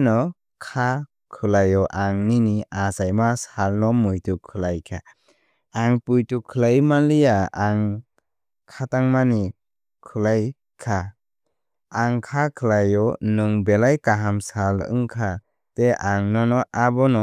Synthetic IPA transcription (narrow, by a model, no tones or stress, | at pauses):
nɔ | kʰa | kʰɯlajɔʔaŋniniasajmasalnɔmujtukʰːɯlajkʰa | aŋpujtukʰɯlajmalijaaŋ | kʰataŋmani | kʰɯlaj | kʰa | ŋkʰakʰɯlajɔnɯŋbelajkaɦamsalɯ̰ŋkʰa | teʔaŋnɔnɔʔabɔnɔ